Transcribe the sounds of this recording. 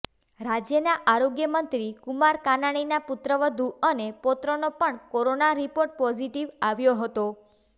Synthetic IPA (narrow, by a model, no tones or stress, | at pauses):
ɾad͡ʒjənaʔaɾoɡjəmənt̪ɾikumaɾkanaɽ̃inaput̪ɾəʋəd̪ʱuənepɔt̪ɾonopəɳkɔɾonaɾipoɾʈ̚pɔd͡ʒiʈiʋaʋjoɦət̪o